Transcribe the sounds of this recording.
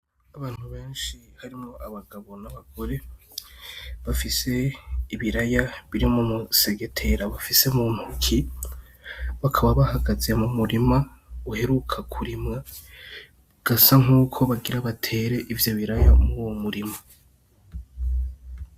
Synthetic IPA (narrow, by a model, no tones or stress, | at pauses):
aβaːn̥huβe̞ːnʃihaɾimŋo̞ʔaβaɡaβo̞naβaɡ̥o̞ɾe̞ | βafise̞iβiɾajaβiɾimumuse̞ɡe̞tʰe̞ɾaβafise̞mumhukʰi | βakʰaβaβahaɡazemumuɾimauhe̞ɾukʰakʰuɾimŋa | ɡ̥asaŋ̥uːkʰo̞βaɡiɾaβatʰe̞ɾe̞ʔivjo̞βiɾaja̰muwomuɾima